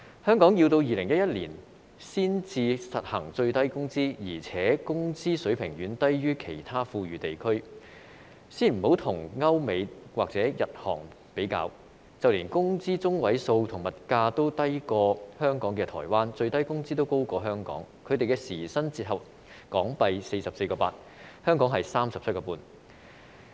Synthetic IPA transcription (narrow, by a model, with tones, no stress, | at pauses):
hœː˥ŋkɔː˨˥ŋji˧wt̪o˧wjiː˨lɪ˨˩ŋjɐ˥t̚jɐ˥t̚lḭː˨˩n | siː˥nt͡siː˧sɐ˨t̚hɐ̰˨˩ŋt͡sɵ˧ɥt̪ɐ˥jkʊ˥ŋt͡siː˥jiː˨˩t͡sʰɛː˨˥kʊ˥ŋt͡siː˥sɵ˨˥pʰɪ˨˩ŋjyː˨˥nt̪ɐ˥jɥyː˥kʰe˨˩jt̪ʰaː˥fuː˧ɥyː˨˩t̪e˨jkʰɵ˥ɥ | siː˥nm̩˨˩ho˨˥wt̪ʰʊ˨˩ŋŋɐ˥wme˨˧jwa̰ː˨k̚t͡sɛː˨˥jɐ˨t̚hɔ̰ː˨˩ŋ | pe˨˥jka̰ː˧w | t͡sɐ˨wliː˨˩nkʊ˥ŋt͡siː˥t͡sʊ˥ŋwɐ˨˥jso˧wt̪ʰʊ˨˩ŋmɐ˨t̚kaː˧t̪o˥wt̪ɐ˥jkɔː˧hœː˥ŋkɔː˨˥ŋkɛː˧t̪ʰɔː˨˩jwaː˥nt͡ʃɵ˧ɥt̪ɐ˥jkʊ˥ŋt͡siː˥t̪o˥wko˥wkɔː˧ɦœː˥ŋkɔ̰ː˨˥ŋkʰɵ˨˧ɥt̪e˨jkɛ˧siː˨˩sɐ˥nt͡siː˧t̚ɦɐ˨˩p̚ | kɔː˨˥ŋpɐ˧jse˧jsɐ˨p̚se˧jkɔː˧paː˧t̚ | hœː˥ŋkɔː˨˥ŋɦɐ˨jsaː˥msɐ˨p̚ʰkɔː˧puː˧n